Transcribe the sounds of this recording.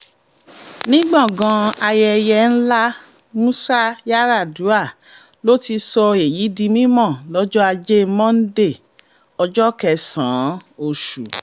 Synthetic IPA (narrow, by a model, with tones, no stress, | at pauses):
nĩ˦ɡ͡bɔ̃˦˨ɡã˧a˧jɛ˧jɛ˧n̩˦la˦ | mũ˦sa˦ja˦ɾa˦˨du˨˦a˦˨ | lo˦ti˧sɔ˧e˨ji˨˦dĩ˧mĩ˦mɔ̃˦˨lɔ˦d͡ʒɔ˦a˧d͡ʒe˦mɔ̃˦n̩˦de˦˨ | ɔ˧d͡ʒɔ˦kɛ˧sã̰ː˨˦o˦˨ʃṵ˨